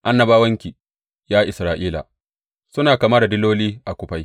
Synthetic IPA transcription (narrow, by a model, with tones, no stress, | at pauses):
ʔa˦nːɐ˨baː˦wɐ˦ŋkʲi˨ | jaː˦ʔɪ˨sɾaː˨ʔiː˦la̰˨ | sʊ˦naː˨kaː˨ma˦da˨dɪ˦loː˦liː˦ʔa˨kʷʊ˦ɸa˨j